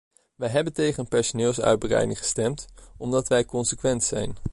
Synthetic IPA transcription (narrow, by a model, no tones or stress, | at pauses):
ʋɛjɦɛbəntejχənənpɛɹsonɪːlˠsœ̰ɥd̚bərɛ̰jdɪ̰ŋχə̥stɛmtɔmdɑtʋɛjkɔnsəkʋɛntsɛ̰jn